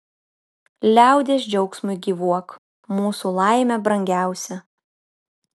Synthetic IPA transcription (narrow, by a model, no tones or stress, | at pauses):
lʲæˑʊd̪ʲeːsd͡ʒʲɛʊksʲmʊɪɡʲiʋuɔk | muːsulˠɑˑɪmʲɛbɾɐŋʲɡʲæˑʊsʲɛ